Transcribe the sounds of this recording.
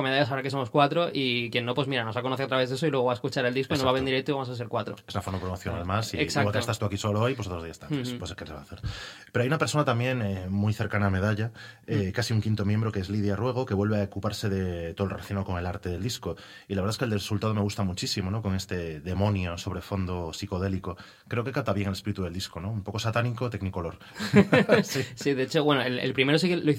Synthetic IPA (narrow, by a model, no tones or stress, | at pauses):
meðaʎasaoɾakes̬o̞mo̞skwat̪ɾoʔikjenːopwo̞zmiɾano̞zβakonoθeat̪ɾaβezðesoilweɣ̞o̞βaeskut͡ʃaɾe̞ld̪iskoinoβaβend̪iɾek̚t̪oiβamosas̬eɾkwat̪ɾoesunafoɾmapɾomoθjonalmasieksakwalket̪ast̪uakisoloojp̬ws̬otozðiast̪anespwosekensea̰θeɾpeɾoajunape̞ɾso̞nat̪amje̞ŋemujθe̞ɾkaname̞ðaʎa | ekasiuŋkint̪o̞mje̞mbɾo̞keezlið̞jarwe̞ɣ̞oke̞βwelβeaokupaɾse̞ðet̪olrelaθjonaoko̞ŋe̞laɾt̪e̞ðe̞ld̪isko | ilaβɾðaeskeld̪esult̪að̞omeɣust̪amut͡ʃisimo̞no̞ko̞ŋe̞st̪e̞ðe̞mõ̞njoso̞β̞ɾe̞fo̞nd̪osiko̞ðe̞liko | kɾe̞oke̞kap̚t̪aβje̞ŋalespiɾit̪uðe̞ld̪iskono̞umpo̞ko̞sat̪aniko̞t̪eɡnikoloɾ | sisiðeet͡ʃowenoelḛlpɾimeɾos̬ikeloi